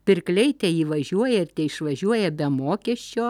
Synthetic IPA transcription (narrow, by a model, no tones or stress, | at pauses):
pʲɪɾklʲɛɪt̪ʲɛiːʋɐʒʲuɔjɛɪɾt̪ʲɛɪʃʋɐʒʲuɔjɛbʲɛmoːkʲɛʃʲt͡ʃʲoː